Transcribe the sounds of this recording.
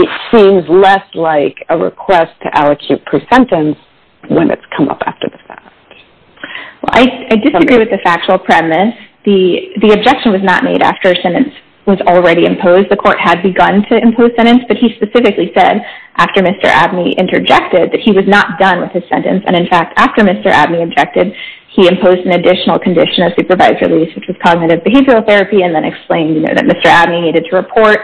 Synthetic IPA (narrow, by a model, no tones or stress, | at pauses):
ɨtsĩmzlɛslaɪkʰəɹɪ̰kʰw̥ɛstʰɨʔælˠəkʰj̥ʉt̚pʰɹ̥isɛ̃ntɨ̃ns | wə̰̃nɨ̰tskʰʌ̃mʌ̰pʰæ̰ftə̰˞ðəfæ̰k̚t | wɛ̰lˠʔa̰ɪaɪdɨsɨɡɹiwɨðɨfæk̚t͡ʃl̩ˠpʰɹ̥ɛmmɨðiðiɨb̚d͡ʒɛkʃɨ̃n̩wʌznə̰ʔ̚meɪɾæ̰ftə˞sɛ̃ñɨ̃ns | wʌzl̩ˠɹɛɾiɨ̰̃mpʰoʊzdðɨkʰɔɹt̚həd̚bɨɡʌ̃ntʰɨɨ̃mpʰoʊz̥sɛ̃ɾ̃ɨ̃nsb̥ʌt̚hispɨsɪfɨklisɛɾʔæftə˞mɪstə̰˞ʔæ̰b̚niʔɪ̰̃ntʰə̰˞d͡ʒɛk̚tɪd̪̚ðɨt̚hiwʌznət̚d̥ʌ̃nwɨð̥ɨz̥sɛ̰̃ntɨ̰̃nsɨ̰̃ɾ̃ɨ̃nfæk̚tʰæftə˞mɪstə̰˞ʔæ̰bniɨb̚d͡ʒɛk̚tɨd̥̚ | iɨ̃mpʰoʊzdɨ̃n̩ɨdɪʃn̩l̩ˠkʰn̩dɪʃɨ̃nʌv̥sʉpə˞vaɪzɹɨ̰liswɨt͡ʃwʌz̥kʰɑɡ̚nɨɾɨvbɨɦeɪvɹil̩ˠθɛɹɨpiɨ̃nðɨ̃ñɨ̰ksplẽɪ̃ndjɨno̰ʊðɨ̰t̚mɪstə˞æb̚niniɾɨd̚tʰɨɹɨpʰɔɹt̚